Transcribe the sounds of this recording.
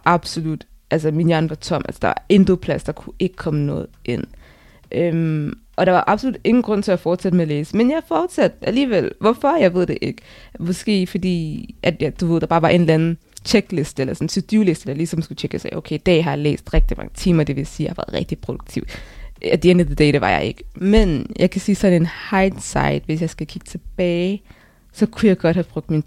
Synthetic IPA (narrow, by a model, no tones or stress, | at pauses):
ʔɑ̈b̥solud̥ʔæls̬əminjɑnʋɑ̈t͡sʰɒ̽m̰æ̰lsə̥d̥ɑ̈ʋɑ̈e̝nd̥opʰlæsd̥ɑ̈kʰue̝ɡ̥ə̥kʰɒ̽mənɔ̽ːð̩ˠe̝n̰ | ʔømʔɒ̽ɾ̥ɑ̈ʋɑ̈ʔɑ̈b̥so̝lud̥e̝ŋn̩ɡ̥ʁɔ̽n̰t͡sʰe̝æfɒːd̥sæd̥əmeæleːsəmenjɑfɒːd̥sæd̥ʔæliːʋel̰ʋɒfɒ̽jɑ̈ɪʋe̝ð̞̰ˠd̥eʔe̝ɡ̥əmɒ̽sɡ̥e̝̰ːfɒd̥ḭːʔæd̥jd̥uʋeð̞̰ˠd̥ɑ̈bɑ̈ːʋɑ̈ʔe̝nlænn̩ | t͡ɕʰeɡ̥le̝sd̥əelɐsɒ̽n̩sʰud̥jule̝sd̥əd̥ɑ̈lisɒ̽msɡ̥ut͡ɕʰeɡ̥əsɑ̈ɪʔoʊkʰeɪd̥ɛ̰ːɦɑ̈jɑ̈lḛːsd̥ʁɛɡ̥d̥imɑ̈ŋət͡sʰḭːmɐd̥e̝ʋe̝jsiːjɑ̈hɑʋæ̰ːð̩ˠʁɛ̰ɡ̥d̥ipʰʁod̥uɡ̥̚t͡sʰiʊ̰d̥eend̥əðəd̥ɛ̰ɪɾ̥eʋɑ̈jɑ̰ɪʔe̝ɡ̥əmenjʔɑ̈ɪkʰæsiːsɒ̽nn̩e̝nhɑ̈ɪd̥sɑ̈ɪd̥ʋe̝sjɑ̈ɪsɡ̥ækʰiɡ̥ə̥t͡sʰe̝b̥ɛːɪ | sɒ̽kʰujɑ̈ɪɡ̥ɒ̽d̥hæb̥ʁɔɡ̥̚d̥min